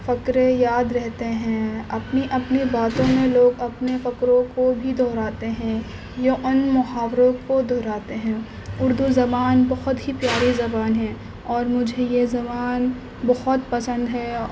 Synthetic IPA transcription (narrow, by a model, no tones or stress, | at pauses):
fɐkɾejaːd̪ɾɛɦt̪eɦɛ̃ɐpniʔɐpnibaːt̪õmẽloːɡɐpnefɐkɾõkobʱid̪ʱɔːɾaːt̪eɦɛ̃ | jaʔʊnmʊhaːwɾõkod̪ʱɔːɾaːt̪eɦɛ̃ː | ʊɾd̪uzɐbaːnbɐɦʊt̪ɦipjaːɾizɐbaːnɦɛ̃ː | ɔːɾmʊd͡ʒʱejezɐbaːn | bɐɦʊt̪pɐsə̃nd̪ɦɛ